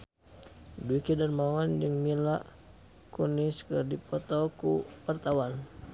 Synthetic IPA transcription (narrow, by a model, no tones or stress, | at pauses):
duikidarmawand͡ʒəŋmilaʔ | kuniskɨrdipɔt̪ɔkuwart̪awan